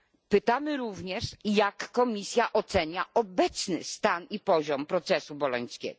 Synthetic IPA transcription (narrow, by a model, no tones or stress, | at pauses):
pɘt̪amɘɾuvɲɛʂjakːɔmʲisʲjaʔɔt̪sɛɲaɔbɛt̪snɘ̰st̪anipɔʑɔmpɾɔt̪sɛsubɔlɔɲ̃skʲɛ̰ɡɔ